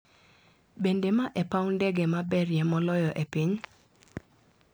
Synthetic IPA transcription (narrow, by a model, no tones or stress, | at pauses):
bendemaʔɛpawndɛɡemabɛrjɛmɔlɔjɔʔepiɲ